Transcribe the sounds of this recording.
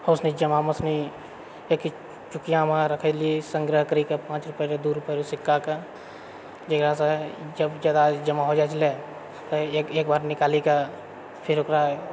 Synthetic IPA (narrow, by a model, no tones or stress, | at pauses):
hosnid͡ʒəmaməsni | eːki | t͡ʃʊkijãmãɾəkʰeliesə̃ŋɡɾəɦkəɾikapãːt͡ʃɾʊpjeɾed̪uɾʊpeɾesɪkːaka | d͡ʒəɡɾasad͡ʒəbd͡ʒad̪ad͡ʒɐmaɦod͡ʒat͡ʃle | t̪oekeːk̚baːɾnɪkaːlika | pʰɪɾʊkɾa